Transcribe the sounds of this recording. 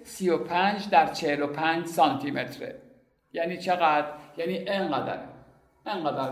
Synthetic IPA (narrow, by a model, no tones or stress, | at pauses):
sijopʰænd͡ʒd̪æɾt͡ʃʰehelopʰænd͡ʒsɑːnt̪ʰimet̪ʰɾḛ | jæːniːt͡ʃʰeɣæd̪ɾjæniːʔeŋɢæd̪æ̰ɾ | eŋɢæd̪æɾ